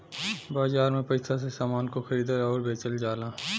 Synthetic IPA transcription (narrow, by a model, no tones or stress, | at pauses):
baːzaːɾmẽpɐɪsas̬esaːmaːnkoxɐɾiːd̪əɾɔːɾbʱeːt͡ʃəld͡ʒaːlaː